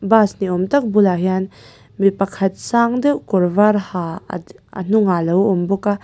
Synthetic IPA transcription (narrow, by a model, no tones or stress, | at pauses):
basniɔmt̪ɐk̚bulaɦian | mipɐkʰɐt̪̚saːŋd̪ewʔkɔɾvaɾhaɐ̰n̥uŋalɐwɔmbɔka